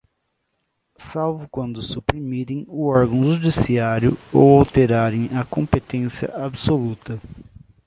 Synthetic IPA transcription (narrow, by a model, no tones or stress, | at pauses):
sawvʊkwɐ̃nd̪ʊsupɾimiɾẽj̃ʊɔɾɡɐ̃w̃ʒud͡ʒisiaɾjʊ̰owawt̪eɾaɾẽj̃ɐkõpet̪ẽsiɐ̰ʔabsolut̪ɐ